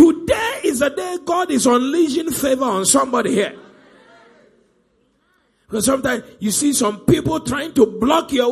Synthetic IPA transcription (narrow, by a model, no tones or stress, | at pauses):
tudeɪzədeɡɔdɪzɔ̃nlid͡ʒɪ̃nfevəə̃nsʌ̃mbɔɾihiə | b̥ikɔsːʌ̃mtãɪ̃mjusisɔ̃mpipəlˠtʰɹaɪɪ̃ŋtublɔkjɔ